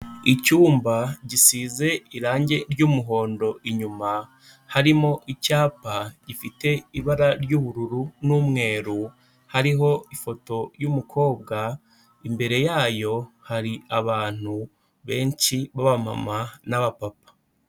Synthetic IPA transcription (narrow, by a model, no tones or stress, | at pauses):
icuːmbaɟisiːze̞iɾaːɲɟe̞ɾɟuːmuɦo̞ːndo̞ʔiɲuma | haɾimo̞ʔicaːpaɟ̥ifite̞iβaɾaɾjuːβuɾuɾunumŋe̞ːɾu | haɾiɦo̞ifo̞to̞jumukʰo̞ːβ̚ɡa | imbe̞ɾe̞jaːjo̞haɾiaβaːn̥u | βe̞ːɲt͡ʃiβaβama̰manaβapapḁ